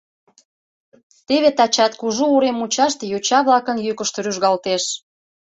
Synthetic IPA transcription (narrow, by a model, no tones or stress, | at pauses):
t̪eβet̪ɑt͡ɕɑt̪̚kuʒuuɾemut͡ɕɑʃt̪ejot͡ɕɑβlɑkə̆njykəʃt̪əɾyʒɣɑlt̪eʃ